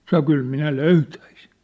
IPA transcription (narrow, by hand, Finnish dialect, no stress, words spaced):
sɑno kyl minæ løytæisin̞